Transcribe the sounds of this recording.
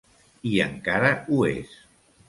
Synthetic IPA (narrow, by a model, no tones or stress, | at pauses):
iə̰ŋkaɾəuḛs